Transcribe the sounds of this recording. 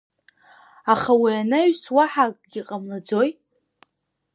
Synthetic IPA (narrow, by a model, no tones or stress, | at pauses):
aχawianaɥswaħakʼɡʲiqʼamlad͡zo̞jt